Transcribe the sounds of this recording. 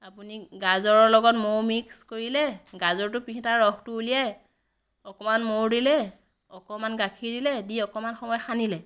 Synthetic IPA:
apuniɡazɔɹɔɹlɔɡɔtmowmikskoɹilɛɡazɔɹtʊpiitaɹɔxtʊuliɛ | ɔkɔmanmowdilɛ | ɔkɔmanɡakʰiɹdilɛdiɔkɔmanxɔmɔjxanilɛ

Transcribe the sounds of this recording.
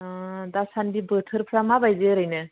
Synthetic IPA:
d̪asandibəʈʰəɾpʰɾamabajdeɾəjnə

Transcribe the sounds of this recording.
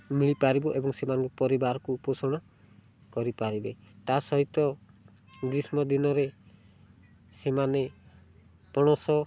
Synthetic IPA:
miɭipaɾibɔʔebɔŋsemanɔŋkɔpɔɾibaɾkuposɔɽ̃ɔ | kɔɾipaɾibet̪asɔɦit̪ɔ | ɡɾismɔd̪inɔɾe | semane | pɔɽ̃ɔsɔ

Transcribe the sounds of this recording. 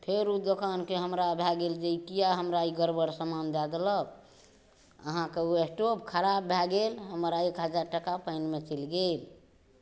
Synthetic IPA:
pʰeɾud̪okankeɦəmɾabʱɛɡeld͡ʒeikijaɦəmɾaiɡəɾbəɾsəmand̪ad̪eləb | əɦãkeuesʈobkʰəɾabːʱɛɡelɦəmɾaekɦəd͡ʒaɾʈəkapəɪnmet͡ʃəlɡel

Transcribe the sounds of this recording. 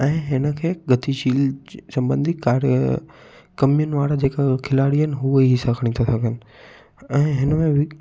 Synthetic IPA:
ɛ̃ːɦɪnəkʰeːɡʱɐt̪iʃiːlsɐ̃mbə̃nd̪ʱikaːɾ | kɐmijʊnʋaːɽad͡ʑeːkakʰɪlaːɽiənɪ̆ɦuiɦisakʰəɽ̃it̪ʰasɐɡʱənɪ̆ | ɛ̃ːɦɪnəmẽʋɪ

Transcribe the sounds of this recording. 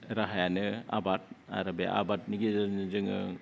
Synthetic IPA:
ɾaɦajanɯa̰bat̚a̰ɾabeʔa̰bat̚niɡizanzɯŋɯ̰

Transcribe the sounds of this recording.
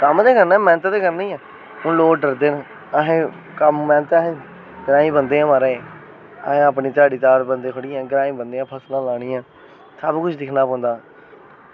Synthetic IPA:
kəmd̪eːkəɾnɛ̃ːmɛ̃ːnət̪ːd̪eːkəɾnĩːɛː | hʊnloːkɖəɾd̪eːn | əɦẽː | kəmːɛ̃ːnət̪ːɦẽː | ɡəɾaːĩːbənd̪eːãːməɾẽː | ə̰ɦẽːəp̬neːt͡ʃaːɽiːt͡ʃaːɾbənd̪eːkʰəɽɪjãːɡəɾaːĩːbənd̪eːãːpʰəslãːlaːɽ̃iːãː | səbkʊt͡ʃʰd̪ɪkʰnaːpɔ̃ːnd̪aː

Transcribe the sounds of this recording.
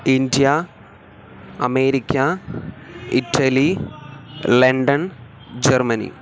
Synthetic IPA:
indjɐ | ɐme̞ːɾikʲːɐ | itʰːɐli | leɳɖɐn | d͡ʑermɐnḭ

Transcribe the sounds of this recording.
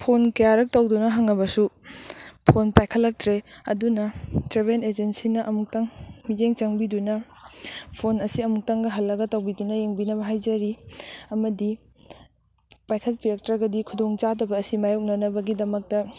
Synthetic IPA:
pʰonkɐjaɾɐk̚tɐwdunɐɦɐŋɐbɐsu | pʰonpajkʰɐlːɐk̚tɾeɐ̰dunɐtɾeβened͡ʒensinɐʔɐmuk̚taŋmid͡ʒeŋt͡ʃɐŋbidunɐ | pʰonɐsiɐmuk̚taŋɡɐɦɐlːɐɡɐtɐwbidunɐjeŋbinɐbɐɦajd͡ʒɐɾiɐmɐdi | pajkʰɐlpiek̚tɾɐɡɐdikʰudoŋt͡ʃadɐbɐːsimajuk̚nɐnɐbɐɡidɐmɐk̚tɐ

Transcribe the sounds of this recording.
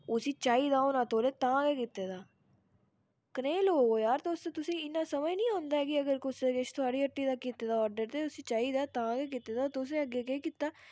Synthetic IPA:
ʊsiːt͡ʃaːiːd̪aːonãːt̪oːleːt̪ãːɡekɪt̪ːeːd̪aː | kəneːlɦoːɡoːjaːɾt̪eʊst̪et̪ʊsĩːɪnːãːsəməjnĩːãːnd̪aːɛːkɪəɡəɾkʊseɡeʃt̪ʰʊaːɽiːəʈːiːd̪aːkit̪ːeːd̪aːɔːɾɖəɾt̪eːʊsiːt͡ʃaːiːd̪aːt̪ãːɡeːk̬ɪt̪ːeːd̪aːt̪ʊʊs̬nẽəɡeːkeːkiːt̪ːaː

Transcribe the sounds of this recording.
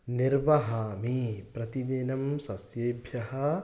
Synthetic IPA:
niɾʋɐɦɐːmipɾɐt̪ineːnɐmsɐsjeːbʱjɐɦɐ

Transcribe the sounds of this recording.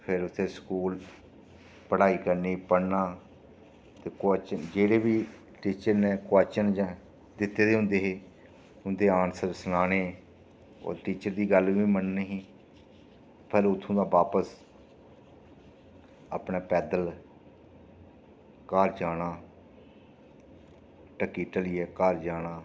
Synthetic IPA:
pʰɪɾʊt̪ʰːeːskuːl | pəɽaːiːkəɾniːpəɽnaː | t̪eːkːt͡ʃənd͡ʒeːɽeːʋiː | ʈiːt͡ʃəɾnẽːkʊaːt͡ʃənd͡ʒa | d̪ɪt̪ːeːd̪eːɦʊ̃nd̪eːɦeː | ʊnd̪eːaːnsəɾsnaːneː | o̰ːɾʈiːt͡ʃəɾd̪iːɡəlʋiːmənnəɦĩː | pʰɛlʊt̪ʰːõːd̪aːʋaːpəs | ə̰ːpnaːpɛːd̪əl | kaːɾd͡ʒaːɽ̃aː | ʈəkiːʈəliːɛːkaːɾd͡ʒaːɽaː

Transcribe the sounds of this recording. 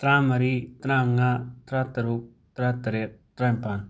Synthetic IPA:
t̪ɾãmɐɾit̪ɾãŋat̪ɾat̪ɐɾuk̚ | t̪ɾat̪ɐɾet̪ɾampan

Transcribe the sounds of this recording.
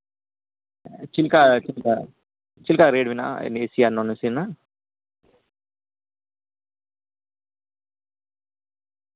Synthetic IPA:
t͡ʃilkat͡ʃilka | t͡ʃilkaɾeːɖʋina̰ḛnesiaːnonesina

